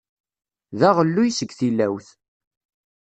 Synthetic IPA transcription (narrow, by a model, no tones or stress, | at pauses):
ðæʁəlːujsəɡθilːæwθ